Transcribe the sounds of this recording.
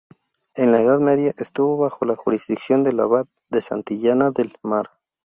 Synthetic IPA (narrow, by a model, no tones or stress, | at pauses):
e̞nlaeðaðme̞ðjaʔe̞st̪uβo̞βaxo̞laxuɾizðiksjo̞nd̪e̞laβat̪̚ðe̞sa̰nt̪iʝanaðe̞lmaɾ